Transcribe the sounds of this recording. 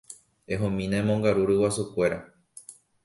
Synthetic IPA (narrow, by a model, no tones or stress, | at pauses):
eɦõmĩnaẽmõŋɡaɾuɾɨwasukʷe̞ɾa